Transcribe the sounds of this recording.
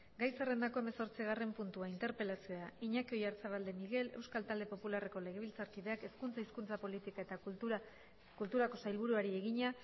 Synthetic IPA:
ɡajsere̞nd̪ako̞e̞me̞so̞ɾt͡siɣ̞are̞mpunt̪uaint̪e̞ɾpe̞lasioaiɲakeo̞jaɾt͡saβ̞ald̪e̞miɣe̞le̞̰wskalt̪ald̪e̞po̞pulare̞ko̞le̞ɣ̞e̞β̞ilt͡saɾkiðe̞ake̞skunt͡saiskunt͡sapo̞lit̪ikae̞t̪a | kult̪uɾako̞sajlβ̞uɾuaɾie̞ɣ̞iɲa

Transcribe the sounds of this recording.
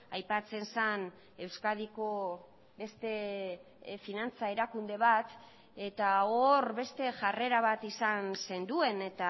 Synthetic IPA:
ajpat͡se̞nsan | e̞wskaðiko̞ | be̞st̪e̞ | finant͡sae̞ɾakund̪e̞β̞at̪ | e̞t̪aoɾβe̞st̪e̞ʝare̞ɾaβ̞at̪isanse̞nd̪ue̞ne̞t̪a

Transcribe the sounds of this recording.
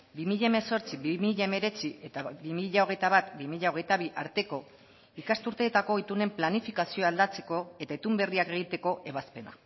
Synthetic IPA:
bimiʎaeme̞so̞ɾt͡siβimiʎaeme̞ɾe̞t͡siʔe̞t̪abimiʎao̞ɣ̞e̞jt̪aβat̪bimiʎaoɣ̞e̞jt̪aβ̞iʔaɾt̪e̞ko̞ | ikast̪uɾt̪e̞ːt̪ako̞it̪une̞mplanifikasio̞ald̪at͡se̞̥ko̞e̞t̪aet̪umbe̞riake̞ɣ̞it̪e̞ko̞ʔe̞β̞aspe̞na̰

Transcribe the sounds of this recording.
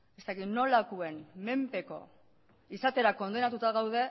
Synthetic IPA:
e̞st̪akit̪no̞lakue̞nme̞mpe̞ko̞̰ | isat̪e̞ɾako̞nd̪e̞nat̪ut̪aɣawð̞e̞

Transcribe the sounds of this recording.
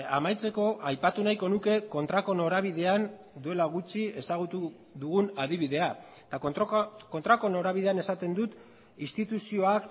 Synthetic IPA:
a̰majt͡se̞ko̞ʔajpat̪unajko̞nuke̞ko̞nt̪ɾako̞no̞ɾaβ̞iðe̞an | d̪ue̞laɣ̞ut͡ʃt͡sie̞saɣ̞ut̪u | ðuɣunaðiβ̞iðe̞a | t̪ako̞nt̪ɾako̞no̞ɾaβiðe̞ane̞sat̪e̞nd̪ut̪ | ist̪it̪usio̞ak

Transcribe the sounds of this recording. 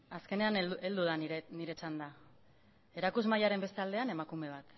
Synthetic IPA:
aske̞ne̞ane̞ld̪uð̞anniɾe̞t͡sand̪a | e̞ɾakuzmajaɾe̞mbe̞st̪eald̪e̞ane̞makume̞β̞at̪

